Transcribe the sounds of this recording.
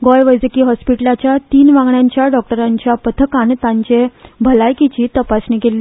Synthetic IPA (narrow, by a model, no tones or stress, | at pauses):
ɡɔjʋəjd͡zəkiːɦɔspiʈəlat͡ɕjat̪iːnʋãŋɡɳjaɲt͡ɕjaɖɔk̚ʈəɾãɲt͡ɕjapət̪ʰəkãnt̪ãɲt͡ɕebʱəlajkit͡ɕiːt̪əpasnikelːi